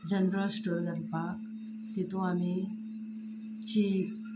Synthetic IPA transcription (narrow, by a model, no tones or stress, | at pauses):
d͡ʑənɾəlsʈuɖənpaɾk | t̪it̪ũami | t͡ɕips